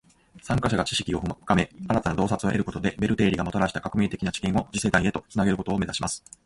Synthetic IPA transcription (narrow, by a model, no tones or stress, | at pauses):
sãŋkaɕaɡat͡ɕi̥ɕi̥kʲio̞ɸɯ̟̥kame̞aɾat̪anad̪o̞ːsat͡sɨoʔe̞ɾɯ̟ko̞t̪od̪e̞be̞ɾɯ̟t̪e̞ːɾʲiɡamot̪oɾaɕi̥t̪akakɯ̟mʲeːt̪e̞kʲinat͡ɕi̥kẽɰ̃o̞d͡ʑise̞d̪aie̞t̪o̞t͡sɨnaɡeɾɯ̟ko̞t̪oːme̞zaɕimasɨ̥